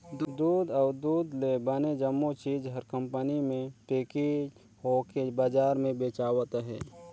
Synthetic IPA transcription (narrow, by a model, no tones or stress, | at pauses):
d̪uːd̪aːɾd̪uːd̪lebəned͡ʒəmːot͡ʃiːd͡ʒɦəɾkə̃mpənimẽpeːki | ɦokebaːd͡ʒaːɾmẽbeːt͡ʃaːwət̪ɦɛ̰ː